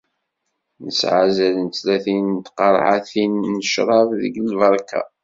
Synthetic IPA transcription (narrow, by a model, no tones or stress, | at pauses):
nəsʕazælənt̪læθint̪qɑɾˤʕaθinːəʃɾˤɑvðə̰ɡlvɑɾˤka̰